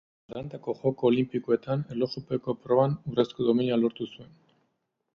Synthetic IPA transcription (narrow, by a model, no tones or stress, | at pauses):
ɾant̪ako̞ʝo̞ko̞ːlimpikoe̞t̪anelo̞ʃupeko̞pɾo̞βanureskoðominialo̞ɾt̪usue̞n